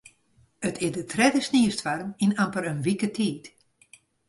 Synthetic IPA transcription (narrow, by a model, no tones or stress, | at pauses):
ətʰɪdətʰrɛdəsniəstfarəminampəɾənʋikətʰiːt